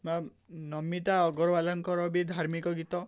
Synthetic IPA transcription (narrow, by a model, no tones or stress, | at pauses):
ma | nɔmːit̪aɔɡɔɾbalɔŋkɔɾɔbid̪ʱaɾmikɔɡit̪ɔ